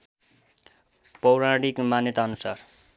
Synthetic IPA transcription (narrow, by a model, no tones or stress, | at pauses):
pʌwɾãɽikmanjʌt̪aːnusar